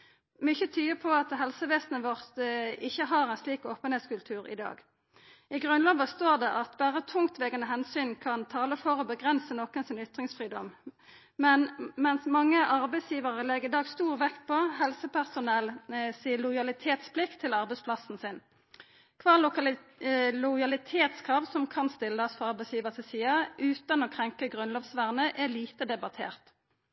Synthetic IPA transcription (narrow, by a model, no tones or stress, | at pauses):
mʏçət̪ʰyːəpʰɔɑt̪ɦɛlsəʋeːsnəʋɔʁt̪ɪçːəɦɑʁɛnsliːkoːpənheːt̪skʉlt̪ʰʉːʁɪ̰d̪ɑ̰ːɡ | ɪɡʁʉnlɑːʋəst̪oːʁd̪ɛʔɑt̪bæːʁət̪ʰʊŋt̪ʋɛɡənəɦɛnsyːnkʰɑnt̪ʰɑːləfɔʁɔbəɡʁɛnsənɔkənsɪnʏt̪ʁɪŋsfʁiːd̪ɔm | mɛnmɛnsmɑŋːəʔɑʁbɛɪsjiːʋəʁəlɛɡɪd̪ɑːɡst̪uːʁʋɛkt̪pʰɔhɛlsəpʰæʁsʊnɛlsiːəlʊɪjɑlɪt̪ʰeːt̪spʰlɪkt̪ʰːɪlɑʁbɛɪspʰlɑsn̩sɪn | kʰʋɑːlʊ | lʊjɑlɪt̪ʰeːt̪skʰʁɑːʋsɔmkʰɑnst̪ɪlːəɔsfɔʁɑʁbɛɪsjiːʋəʁt̪ʰɪlsiːɑʔʉːt̪ɑnoːkʰʁɛŋkəɡʁʉnloːʋsʋæʁnəʔæliːt̪əd̪ɛbɑt̪ʰḛːʁt̪